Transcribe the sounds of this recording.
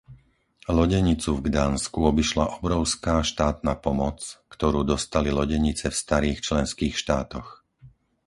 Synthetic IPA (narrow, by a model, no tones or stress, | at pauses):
lɔɟɛɲit͡suvɡd̪aːnskuɔbiʃlaʔɔbɾɔʊskaːʃt̪aːt̪̚naːpɔmɔt͡skt̪ɔɾuːd̪ɔst̪alilɔɟɛɲit͡sɛfst̪aɾiːxt͡ʃlɛnskiːxʃt̪aːt̪ɔx